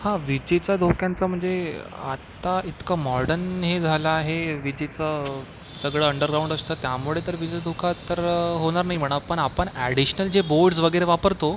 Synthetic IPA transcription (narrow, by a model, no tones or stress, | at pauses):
hãʋid͡ʑet͡sad̪ʱokjant͡səːm̤əɳd͡zea̰t̪ait̪kamɔɾɖənɦed͡zʱalaːɦeʋid͡ʑet͡sə | səɡɭəːəɳɖəɾɡɾaũɳɖəst̪əːt̪jamuɭet̪əɾʋid͡ʑed̪ʱokʰat̪əɾɦoɽ̃aɾnaɦim̤əɽ̃apəɳapəɳæɽiɕnəld͡ʑeboɾɖs̬ʋəɡəɾeʋapəɾt̪o